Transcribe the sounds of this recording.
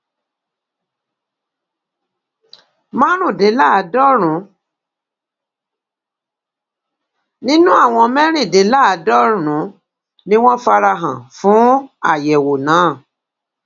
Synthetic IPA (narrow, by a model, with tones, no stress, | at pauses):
mã˦ɾ̃ũ˦˨de˨˦la˦˨a˨dɔ˦ɾ̃ũ˨˦ | nĩ˦nũ˦a˦˨w̃ɔ̃˧mɛ̃˦ɾ̃ĩ˦˨de˨˦la˦a˨˦dɔ˦ɾ̃ũ˨˦ | nĩ˦w̃ɔ̃˦fa˧ɾa˧ɦã̰˨fũ˨˦a˦˨jɛ˨wo˨nãː˨˦˨